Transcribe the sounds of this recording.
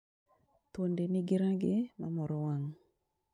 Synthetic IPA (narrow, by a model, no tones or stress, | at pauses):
t̪ondenɪɡɪɾaɡɪmamɔɾɔwaŋ